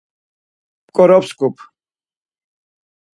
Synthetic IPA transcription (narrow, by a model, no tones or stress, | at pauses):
pkʼɔɾɔpskupʰ